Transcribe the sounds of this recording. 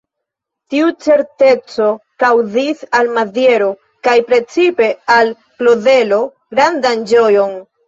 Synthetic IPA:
tiut͡se̞ɾte̞t͡so̞kawzisalmadje̞ɾo̞ | kajpɾe̞t͡sipe̞al | kloðe̞lo̞ | ɡɾandand͡ʒo̞jo̞n

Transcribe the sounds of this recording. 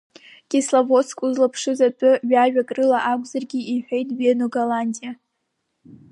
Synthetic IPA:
kʲʼeslavoskʼuzlapʰʂɨzatʼʊɥaɥᶣakʼrɨlaʔakʷʼzarɡʲiiħʷᶣejtʼɥienoɡalandʲʼija

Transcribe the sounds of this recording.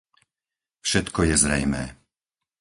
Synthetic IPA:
fʃɛt̪kɔjɛzɾɛjmɛ̰ː

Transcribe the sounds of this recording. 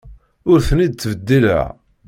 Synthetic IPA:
ʊɾθnid̪̚t͡s̪ːvəd̪ːilə̰ʕ

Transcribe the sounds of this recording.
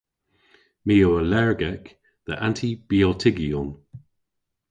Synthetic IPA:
miːoəlɛɹɡɛk | ðəʔãntʰib̥iɔltʰɪɡiɔn

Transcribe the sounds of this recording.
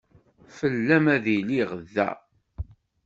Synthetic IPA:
fəlːæmæðiliʁðːæ̰

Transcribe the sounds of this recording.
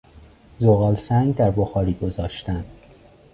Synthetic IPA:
zoɣɒːlsæŋɡd̪æɾboxɒːɾiːɡozɒːʃt̪ænd̪̥

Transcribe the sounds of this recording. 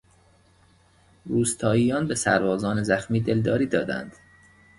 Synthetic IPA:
ɾuːst̪ʰɒːiːjɒːnbesæ̰ɾbɒːzɒːnezæxmiːd̪e̞ld̪ɒːɾiːd̪ɒːd̪æ̰nd̪̥

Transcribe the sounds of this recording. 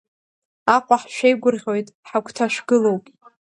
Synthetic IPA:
aqʷʼaħʃᶣejɡʷʊrʁʲo̞jtʼħakʷʰʼtʰaʂɡɨlo̞wpʼ

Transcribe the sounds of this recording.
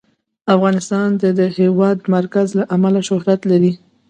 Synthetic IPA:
afɣɑnɪst̪ɑnd̪əd̪əhewɑd̪maɾkazlaʔamalaʃʊhɾat̪laɾi

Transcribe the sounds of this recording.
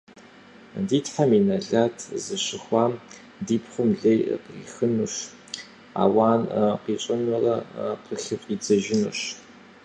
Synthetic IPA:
diːtħaminɐɮaːtʰzɨɕɪχʷɑːm | diːpʰχʷʊmɮej̰qḭːxɨnuʂ | a̰ːwaːnqiːt͡ʃʷʼɐnʊrɐqəɬɨpʼiːd͡zɐʒɪnṵɕ

